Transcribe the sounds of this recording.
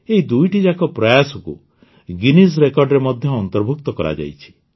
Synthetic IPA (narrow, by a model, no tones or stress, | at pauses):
eɦid̪ujʈid͡ʒakɔpɾɔjasɔkṵ | ɡinis̬ɾekɔɾɖɾemɔd̪ʱjɔːnt̪ɔɾbʱuk̚t̪ɔkɔɾa̰d͡ʒa̰jt͡ʃʰi̥